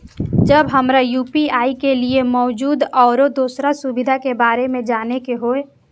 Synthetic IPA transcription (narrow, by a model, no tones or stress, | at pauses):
d͡ʒəbɦəmɾajuːpiaːikeliemɔːd͡ʒuːd̪ɔːɾod̪oːsɾasubɪd̪ʱakebaːɾemẽd͡ʒaːnekeɦoe